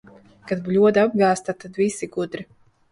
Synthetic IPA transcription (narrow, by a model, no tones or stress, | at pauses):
kad̪̚blʲuɔd̪ab̚ɡaːst̪at̪ad̪visiɡud̪ɾi